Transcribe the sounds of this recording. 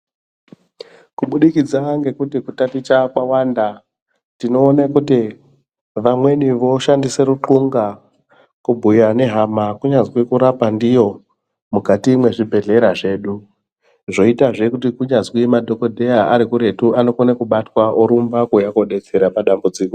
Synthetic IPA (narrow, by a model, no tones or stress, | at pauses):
kuɓuɗikid͡zaŋɡe̞kutikutatit͡ʃakwawanda | tinoːnakuti | ʋamwe̞niʋo̞ʃandise̞ɾuǃuŋɡa | kubʱujane̞ɦamakuɲazwikuɾapandijo̞ | mukatimwe̞ʐibʱe̞ɮe̞ɾaʐe̞ːɗu | ʐo̞itaʐe̞kutikuɲazkimadʱo̞ko̞dʱe̞jaʔaɾikuɾe̞tuʔano̞konakuɓatwaʔoɾumbakujako̞ɗe̞t͡se̞ɾapaɗambud͡ziːko